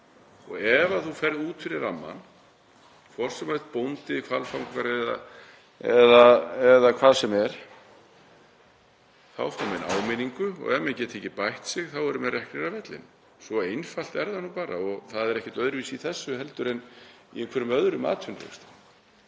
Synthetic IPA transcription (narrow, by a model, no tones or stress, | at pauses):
ɔɣɛvaθufɛɾðuːt̪fɪɾɪɾamːa̰n | kʰvɔr̥sɛmat̪̚pownt̪ɪkʰvalfawŋkaɾɛða̰ | ɛðaɛðakʰv̥aːðsɛmɛɾ̥ | θawfawmɛna̰ːwmɪniŋkʏɔ̰ɣɛmɛcɛt̪ʰeːcɪpajht̪sɪɣθawɛɾʏmɛrɛhknɛɾavɛt̪lɪ̰n | sɔejnfal̥t̪ɛɾðanupaːɾa̰ɔɣθaðɛɾɛhcɛt̪œðɾviːsiθɛsːʏhɛlt̪ʏɾɛn | ḭɛnkʰvɛɾʏmœðɾʏma̰ːt̪ʰʏnlḛkst̪